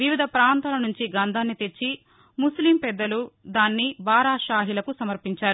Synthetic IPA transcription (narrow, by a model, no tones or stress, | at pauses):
ʋiʋid̪ʱɐpɾaːnt̪aːlɐnuɲt͡ʃiɡɐnd̪ʱaːnːit̪e̞t͡ʃːi | muslimpɛd̪ːɐlud̪aːnːibaːɾaːʃaːɦilɐkusɐmɐɾpiɲt͡ʃaːɾu